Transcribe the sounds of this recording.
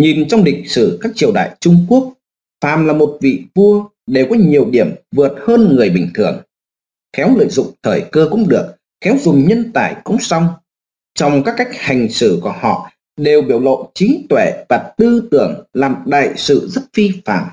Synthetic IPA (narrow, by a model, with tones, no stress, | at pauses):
ɲi˨˩nt͡ɕɔ˧wŋ͡mɗï˨˩k̟̚sɨ˧˩kaː˦˥k̚t͡ɕi˧˩əwɗa̰ː˧˨jt͡ɕʊ˧ŋ͡mku˦˥ək̚ | faː˧˨mlaː˨˩mo˨˩t̚vḭ˧˨vu˧ə | ɗe˨˩wkɔ˨˦ɲi˨˩əwɗi˧˩əmvɨ˨˩ət̚həː˧nŋɨ˨˩əjɓï˧˩ŋ̟t̪ʰɨ˧˩əŋ | xɛ˨˦wlə̰ː˧˨jzʊ̰˧˨ŋ͡mt̪ʰəː˧˩jkəː˧kʊ̰˧˥ŋ͡mɗɨ˨˩ək̚ | xɛ˨˦wzʊ˨˩ŋ͡mɲə˧nt̪aː˧˩jkʊ̰˧˥ŋ͡msa˧wŋ͡m | t͡ɕɔ˧wŋ͡mkaː˦˥kːa˦˥jk̟̚ha˨˩jŋ̟sɨ˧˩ku˧˩əhɔ̰˧˨ | ɗe˨˩wɓi˧˩əwlo̰˧˨jt͡ɕï˨˦ŋt̪we˧˩vaː˨˩t̪ɨ˧t̪ɨ˧˩əŋlaː˨˩mɗa̰ː˧˨jsɨ̰˧˨zə˦˥t̚fi˧fa̰ː˧˩˨m